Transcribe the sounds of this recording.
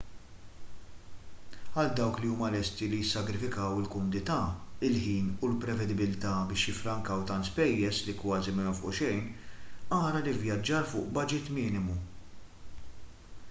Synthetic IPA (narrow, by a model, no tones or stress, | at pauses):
ɐld̪ɐwkliuːmɐlɛst̪ilijɪsːɐɡɾɪfɪkɐwɪlkʊmʊd̪ɪt̪ɐːɪlħiːnulpɾɛvɛd̪ɪbɪlt̪ɐbɪːʃjɪfːɾɐŋkɐwt̪ɐnt̪spɛjːɛslikwɐːzimɪfʊ̰ʔʃɛjnɐːɾɐlivjɐd͡ʒːɐɾfʊːʔbɐd͡ʒɪt̪mɪːnɪmu